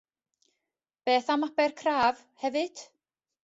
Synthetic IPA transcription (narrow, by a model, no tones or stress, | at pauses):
b̥ɛːθamapɛrkʰraːv | hɛvɪd̪̥